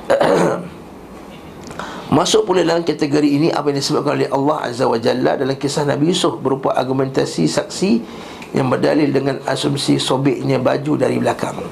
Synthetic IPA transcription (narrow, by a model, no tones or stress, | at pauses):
mãsʊʔ̚puladalamkat̪əɡoɾiːniʔa̰pajaŋdisəbap̚kanolɛhʔalːɑha̰zawad͡ʒalːa̰dalamkisahna̰biusʊfbəɾupaʔarɡumɛ̃nt̪asisak̚si | ja̰ŋbərda̰lɪldəŋãnasumsisobɪʔɲãbad͡ʒudaɾḭbəlaka̰ŋ